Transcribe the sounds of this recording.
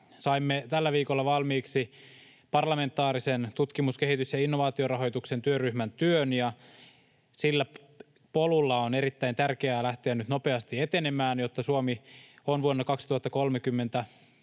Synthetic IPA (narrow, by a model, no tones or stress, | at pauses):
sɑimːet̪ælːæʋiːkolːɑʋɑlmiːksi | pɑrlɑme̞nt̪ːˑɑːɾisent̪ut̪kimuske̞hit̪ysjɑinːoʋɑːt̪iorɑɦo̞jt̪ukse̞nt̪yørːyhmænt̪yønjɑ | silːæ | po̞lulːɑoneɾit̪ːæint̪ærkeæːlæht̪eænyt̪no̞peɑst̪iet̪e̞nemæːnjot̪ːɑsuomionʋuonːɑkɑksi̥t̪uhɑt̪ːɑko̞lmekymːe̞nt̪æ